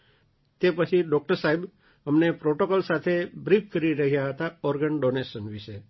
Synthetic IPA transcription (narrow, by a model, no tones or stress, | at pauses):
t̪epət͡ʃʰiɖɔk̚ʈəɾsaɦib | əmnepɾoʈokolsat̪ʰebɾifʰkəɾiɾəɦijaɦət̪aɔɾɡəɳɖonesənʋiʃe